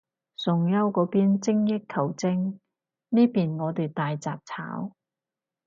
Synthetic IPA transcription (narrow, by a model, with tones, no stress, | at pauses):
sʊ˨˩ŋjɐ˥wkɔː˨˧˥piː˥nt͡sɪ˥ŋjɪ˥kkʰːɐ˨˩wt͡sɪ˥ŋ | niː˥piː˨nŋɔː˨˧t̪yː˨˩t̪aː˨jt͡saː˨p̚t͡sʰa̰ː˨˥w